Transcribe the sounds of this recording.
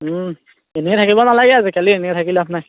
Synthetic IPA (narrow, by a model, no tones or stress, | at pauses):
enɛɛt̪ʰakibɔnalaɡɛazikalienɛɛtʰakilapnaj